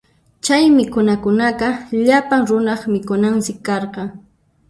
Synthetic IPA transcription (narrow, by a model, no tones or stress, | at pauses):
t͡ʃajmɪkʊnakʊnaqɑʎapaŋɾʊnɑχmɪkʊnansɪkːɑɾqɑŋ